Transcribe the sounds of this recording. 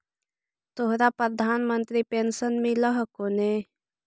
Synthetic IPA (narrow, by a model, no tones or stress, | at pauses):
t̪oɦɾapɾəd̪ʱaːnmənt̪ɾipensənmẽləɦkoneː